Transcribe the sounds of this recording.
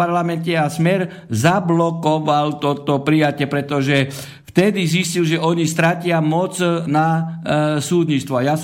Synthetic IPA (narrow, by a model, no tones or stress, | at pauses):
aɾlamɛncɛasmɛɾ | zablɔkɔʋalt̪ɔt̪ɔpɾijacɪɛpɾɛt̪ɔʒɛ | ft̪ɛd̪iziscilʒɛʔɔɲist̪ɾacɪamɔt͡sna | suːd̪ɲit͡st̪ʋɔajas